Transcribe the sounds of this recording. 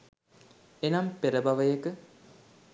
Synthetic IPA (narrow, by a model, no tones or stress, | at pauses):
enɐmpeɾəbaʋəjəkə